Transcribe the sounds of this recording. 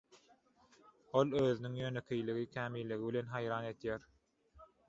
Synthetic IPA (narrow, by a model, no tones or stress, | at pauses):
olˠøːðynyŋjønekʲʰejliɣikʰʲæːmiːlːiɣiβile̞nɦɑjɾɑːne̞d̪jæːɾ